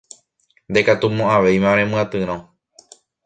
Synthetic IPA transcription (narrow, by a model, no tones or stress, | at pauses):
nd̪e̞kat̪umõaʋejmãɾẽmɨ̃ãt̪ɨɾ̃õ